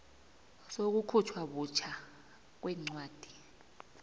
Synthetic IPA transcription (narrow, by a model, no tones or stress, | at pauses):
sok̬ukʰut͡ʃʰwaɓut͡ʃʰa | k̬wɛŋ͡ǀwaːd̥ʱi